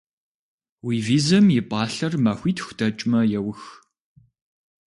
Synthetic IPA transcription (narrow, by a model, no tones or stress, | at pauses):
wiːviːzɐmjɪpʼɑːɬɐrmaxʷiːtʰxʷdɐt͡ʃʼmɐjɛwʊx